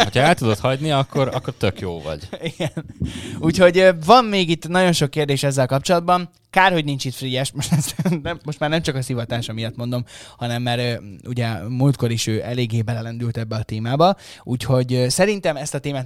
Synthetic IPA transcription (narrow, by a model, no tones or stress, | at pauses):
ho̞cʰɒɛlt̪ud̪o̞t̪hɒɟniɒkːo̞ɾɒ̰kːo̞rt̪økjo̰ːvɒ̰ɟiɡɛnuːcho̞ɟøvɒmːeːɡit̪ːnɒɟo̞nʃo̞kːeːrd̪eːʃɛzːɛlkɒp̚t͡ʃo̞lɒd̪bɒn | kaːrho̞ɟnint͡ʃit̪frijɛʃmo̞ʃt̪ɛsɛnt̪ɛmːo̞ʃt̪maːrnɛmt͡ʃɒkɒsivɒt̪aːʃɒmijɒt̪mo̞nd̪o̞mhɒnɛmːaɾṵɟɛmult̪ko̞ɾiʃøːʔɛleːɡːeːbɛlɛlɛnd̪ylt̪ɛbːɛɒt̪eːmaːbɒ | uːcho̞ɟsɛɾint̪ɛmɛst̪ɒt̪eːmaːt̪